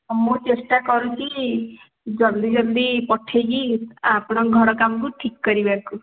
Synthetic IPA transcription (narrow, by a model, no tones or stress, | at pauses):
mut͡ʃesʈakɔɾut͡ʃʰi | d͡ʒʌld̪id͡ʒɔld̪ipɔʈʰeɡiapɽ̃ɔɡʱɔɽɔkamɔkuʈʰikːɔɾibaku